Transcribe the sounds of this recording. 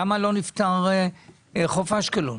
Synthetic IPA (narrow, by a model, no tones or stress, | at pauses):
amalo̞nift̪aʁe | χofaʃkelo